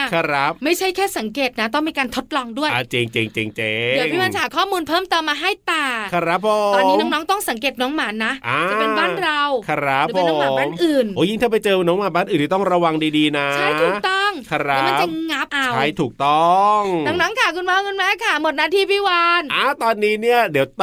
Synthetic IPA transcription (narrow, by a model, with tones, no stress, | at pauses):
kʰa˧˩ɾa˦˥p̚ma˥˩jt͡ɕʰa˥˩jkʰɛː˥˩sa˩˦ŋkeː˨˩t̪̚na˦˥t̪ɔ˥˩ŋmiː˧kaː˧nt̪ʰo˦˥t̪̚lɔː˧ŋdu˥˩əʔaː˧˩t͡ɕe˧ŋt͡ɕe˧ŋt͡ɕeː˧ŋt͡ɕeː˧ɯ˨˦ŋʰi˥˩wa˧t͡ɕa˧˨aː˨˩˦kʰɔː˥˩muː˧npʰɤː˥˩mt̪ɤː˧mːaː˧ɦa˥˩jt̪aː˨˩kʰa˧ɾa˦˥ppʰːo˨˩t̪ɔː˧i˦˥nɔː˦˥ŋnɔː˦˥ŋt̪ɔ˥˩ŋsa˨˩˦ŋk̬eː˨˩t̪̚nɔː˦˥ŋmaː˨˩˦nːa˦˥ʔaː˧t͡ɕpe˧nbaː˥˩nɾa˧wkʰa˧ɾa˦˥p̚ʰːe˧onːa˧˨˩maː˧bːmnʔɯː˨˩noː˨˦ji˥˩ŋt̪ʰaː˥˩pa˧jt͡ɕɤː˧nɔː˦˥ŋmaː˨˩nbaː˥˩nʔɯː˨˩nʰiː˧˩t̪ɔ˥˩ŋɾa˧wa˧ŋdiː˧diː˧na˦t͡ɕʰa˩j̪ʰuː˨˩t̪ɔ˥˩ŋkʰa˧ɾa˨˦ma˥t͡ɕŋa˦˥p̚ʔa˧t͡ɕwʰa˦˥˩jt̪ʰuː˨˩k̚t̪ɔ˥˩ŋŋnaː˨˧˥ŋnaː˦˥ŋkʰaː˧˩kʰu˧nmaː˦˥wkɯ˧nmaː˦˥kʰa˥˩mo˨˩t̪̚naː˧˩t̪ʰiː˧˥˩pʰiː˥˩waː˧nʔaa˧˩t̪ɔː˧nːiː˦˥ni˥˩ɐdi˨˩˦wt̪